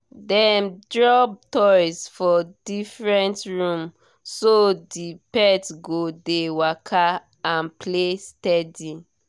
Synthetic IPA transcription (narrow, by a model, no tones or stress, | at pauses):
dɛmdɹɔb̚tɔsfɔdifɹɛ̃ntɹũm | sodipɛtɡodewakʰa | ãnplestɛdi